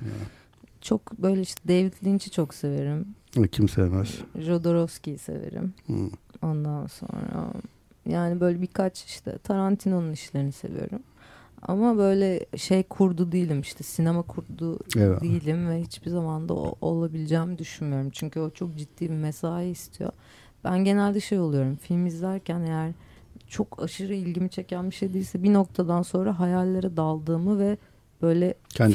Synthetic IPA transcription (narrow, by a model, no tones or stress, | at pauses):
t͡ʃʰo̞kbø̞jlʲɛiʃt̪ʰɛd̪evit̪ʰlʲint͡ʃʰit͡ʃʰo̞kse̞ve̞ɾimɛcʰimsevmɛsʒo̞d̪o̞ɾofscijise̞̰ve̞̰ɾḭmho̞nd̪anso̞̰nɾa̰ | jaːnibø̞jlʲɛbikʰat͡ʃi̥ʃt̪ʰɛ̰t̪ʰaɾant̪ʰino̞nuniʃlʲe̞ɾinise̞̰vḭjo̞̰ɾum | a̰mabø̞jlʲɛʃe̞jkʰuɾd̪ud̪ijilʲimiʃt̪ʰɛsinemakʰuɾd̪uɛijilʲimvɛhit͡ʃbizamand̪a̰o̰o̞lˠabilʲid͡ʒɛːmid̪yʃynmyjo̞ɾumt͡ʃʰyɲcyo̞t͡ʃʰo̞k̚d͡ʒit̪ːiːbimesaːiist̪ʰijo̞̰ | b̥ænɟe̞nælʲd̪ɛʃe̞jo̞lˠujo̞ɾumfilʲmizlʲæɾcʰæne̞jæɾ | t͡ʃʰo̞kʰa̰ʃɯɾɯilʲɟimit͡ʃʰe̞cænbiʃejd̪ijilʲsɛbino̞k̚t̪ʰad̪anso̞nɾaɦajalʲːˠaɾad̪alˠd̪ɯːmɯvɛ | b̥ø̞jlʲɛcʰæn